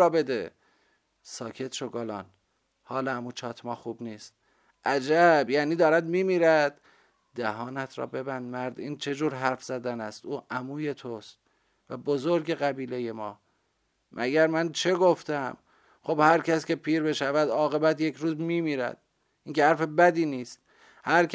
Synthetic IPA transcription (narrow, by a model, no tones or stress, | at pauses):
ɒːbe̞d̪e | sɒːkʰe̞t̪ʃoɡolɒːn | hɒːlɒæmuːt͡ʃʰɒːt̪ʰmɒːxuːbniːst̪̚ | ʔæd͡ʒæbjæːniːd̪ɒːɾæd̪miːmiːɾæd̪̥ː | æhɒːnæt̪ʰɾɒ̰ːbe̞bænd̪̚mæɾd̪iːnt͡ʃʰe̞d͡ʒuːɾɦæɾfz̥æd̪ænæst̪uːʔæmuːje̞t̪ʰost̪̚ | væ̰bozoɾɟe̞ɣæbiːleje̞mɒː | mʔæ̰ɟæɾmænt͡ʃʰe̞ɡo̞ft̪æm | χobhæɾcʰæscʲe̞pʰiːɾbe̞ʃævæd̪ɒːɣe̞bæt̪je̞cʰɾuːzmiːmiːɾæ̰d̪̥̚ | ʔiːŋcehæɾfe̞bæd̪iːniːst̪̚ | hæɾk